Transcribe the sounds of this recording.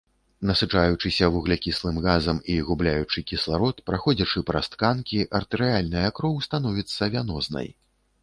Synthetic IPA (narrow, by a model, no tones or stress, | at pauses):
nɐsɨt͡ʂajut͡ʂɨsʲɐvuɣlʲɛkʲislˠɨmɣazɐmiɣublʲajut͡ʂɨkʲislˠaɾɔt̪pɾaxɔd͡zʲɐt͡ʂɨpɾɐst̪kankʲiʔɐrt̪ɛɾɨalʲnɨjɐkɾɔwst̪an̪ɔvʲit̪sːɐvʲanɔznɐ̰j